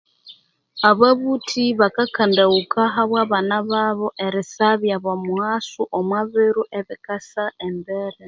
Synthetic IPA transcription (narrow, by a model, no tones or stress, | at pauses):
aβaβutʰiβakakandaukʰaɦaβwaβanaβaβoʔeɾɪsaβjaβamuhasuʔomwaβiɾuʔeβikasaʔembeɾe